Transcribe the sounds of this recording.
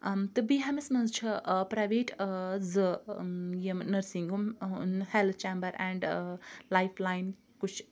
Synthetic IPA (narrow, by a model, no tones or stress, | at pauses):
t̪ɨbiɦamesmɐnzt͡ʃʰɨpɾajʋeːʈzɨ | jemnɐɾsiŋɡumhelt̪̚ʰt͡ʃembɐɾɛ̃ɳɖlajpʰlajn | kut͡ʃʰ